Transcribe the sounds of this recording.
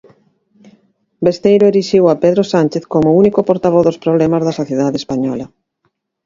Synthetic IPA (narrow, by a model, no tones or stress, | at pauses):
best̪ejɾʊeɾiʃiwapeðɾosanʲt͡ʃeθkomʊunikopoɾt̪aβ̞ɔθðospɾoβ̞lɛmazðɐsoθjeðaðespaɲɔ̰lɐ